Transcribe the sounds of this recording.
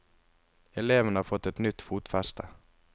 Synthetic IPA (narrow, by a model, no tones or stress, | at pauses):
ɛleːʋənəhɑːɾfɔt̪ːɛt̪nʏt̪fuːt̪fɛst̪ʰə